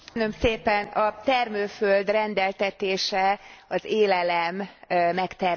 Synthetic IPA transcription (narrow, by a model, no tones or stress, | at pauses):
nø̞mseːpɛnɒt̪ɛrmøːføld̪rɛnd̪ɛlt̪ɛt̪eːʃɛɒzeːlɛlɛmːɛkt̪ɛr